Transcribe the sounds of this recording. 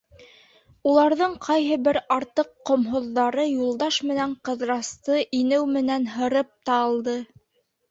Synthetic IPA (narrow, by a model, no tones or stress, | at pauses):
ulˠɑɾðɤɴqʰɑjɦɤ̆bɘɾɑɾt̪ɤqːŏmɦŏðːɑɾɤjulˠd̪ɑʃmɘ̆næɴqɤ̆ðɾɑst̪ɤʔinɘwmɘ̆nænɦɤ̆ɾɤp̚t̪ɑlˠd̪ɤ